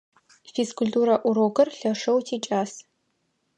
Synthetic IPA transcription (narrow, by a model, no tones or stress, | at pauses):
fiskʊltʼuːɾɐʔʷʊɾoɡɐrɬɐʂɐwtʰiːt͡ʃʼaːs